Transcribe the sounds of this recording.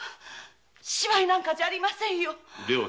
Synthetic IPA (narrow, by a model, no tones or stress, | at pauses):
ɕɕibainãŋkad͡ʑaaːɾʲimasẽ̞ɰ̃jod̪ea